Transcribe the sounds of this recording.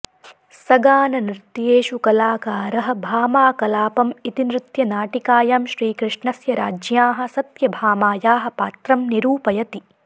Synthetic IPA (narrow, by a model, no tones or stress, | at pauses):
sɐɡaːnɐnɾɪt̪jeːʃukɐlaːkaːɾɐɦɐ̆bʱaːmaːkɐlaːpɐmit̪inɾɪt̪jɐnaːʈikaːjaːmʃɾiːkɾɪʂɳɐsjɐɾa̰ːd͡ʒjaːɦɐ̆sɐt̪jɐbʱaːmaːjaːɦɐ̆paːt̪ɾɐmniɾuːpɐjɐt̪i